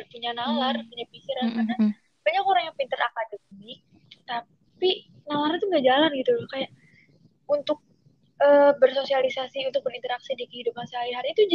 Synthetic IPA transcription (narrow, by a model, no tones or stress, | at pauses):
puɲanalarpuɲapikiɾakana | b̥aɲakoɾaŋjapint̪əra̰kadəmi | t̪a | pi | nalaɾit̪uŋɡaʔd͡ʒalanɡit̪ukajaʔ | unt̪ʊk̚ | əbərsosialisasiunt̪ʊk̚bəɾint̪əɾaksidikəhidup̚ansaiɦaɾiit̪ud͡ʒ